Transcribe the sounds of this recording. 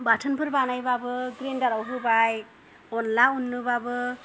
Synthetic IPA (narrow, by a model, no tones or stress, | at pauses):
batʰɯnpʰɯɾbanajbabɯɡɾendaɾawɦɯbaj | ɔnlaunːɯbabɯ